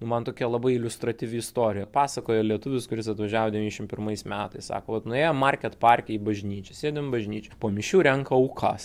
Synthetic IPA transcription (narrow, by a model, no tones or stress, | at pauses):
nʊmɐnt̪oːkʲiɛlˠɐbɐɪɪlʲʊst̪ɾɐt̪ʲiːʋʲɪɪst̪oːɾʲɪjɛpɑːsɐkoːjɛlʲiɛt̪ʊʋʲɪskʊɾʲɪsɐt̪ʋɐʒʲæːʋoːd̪ʲɛʋʲiːnʲɛʃʲɪmpʲɪrmɐɪsmʲæːt̪ɐɪssɑ̰ːkoːʋɐt̪nʊeːjɛmmɑrʲkʲɛt̪pɑrʲkʲɛibɐʒʲnʲiːt͡ʃʲɛsʲeːd̪ʲɪmbɐʒʲnʲiːt͡ʃʲɛpoːmʲɪʃʲuːɾʲɛŋkɐɐʊkʰɐs